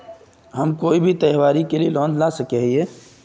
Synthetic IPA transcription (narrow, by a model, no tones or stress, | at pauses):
ɦɐmkoːibʱit̪ɛɦwaːɾikelielɔ̃ːnd͡ʒlasɐkeɦieː